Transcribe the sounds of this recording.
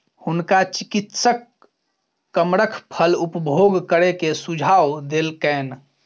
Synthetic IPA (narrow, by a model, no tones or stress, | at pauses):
hʊnkat͡ʃikit̪səkː | əmɾəkʰpʰəlupbʱoɡkəɾekesud͡ʒʱaːwd̪eːlkɛn